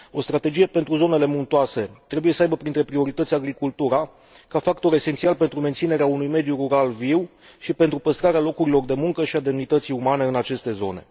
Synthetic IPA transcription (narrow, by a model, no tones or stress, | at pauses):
o̞st̪ɾat̪e̞d͡ʒije̞pe̞nt̪ɾuzo̞ne̞le̞munt̪oase̞t̪ɾe̞buje̞səajbəpɾint̪ɾe̞pɾio̞ɾit̪ət̪sʲaɡɾikult̪uɾa | kafakt̪o̞ɾe̞sent̪sialpe̞nt̪ɾument̪sine̞ɾeaunujme̞d̪juruɾalviw | ʃipe̞nt̪ɾupəst̪ɾaɾealo̞kuɾilo̞rd̪e̞muŋkəʃiad̪e̞mnit̪ət̪sijumane̞ɨnat͡ʃe̞st̪e̞zo̞̰ne̞̰